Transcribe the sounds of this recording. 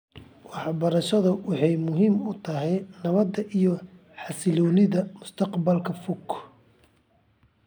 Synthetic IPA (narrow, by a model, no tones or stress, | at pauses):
wɑħbɐɾɐʃɐðʊwɑħɑjmʊɦiːmʊt̪ʰɐɦɛjnɐβɐd̪ːɐʔijɔ | ħɑsɪlɔːnɪðɐmʊst̪ʰɐqbɐlkʰɐfʊkʰ